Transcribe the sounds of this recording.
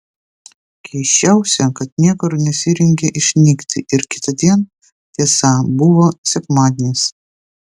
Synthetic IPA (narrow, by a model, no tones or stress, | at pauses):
kʲʰɛɪʃʲt͡ʃʲæˑʊsʲɛkɐt̪nʲiɛkoɾnʲɛsʲɪɾʲɛŋʲɡʲɛʔɪʃʲnʲiːkt̪ʲɪʔɪɾkʲɪ̥t̪ɐd̪ʲiɛn | t̪ʲiɛsɐbʊʋoːsʲɛkmɑːd̪ʲenʲɪs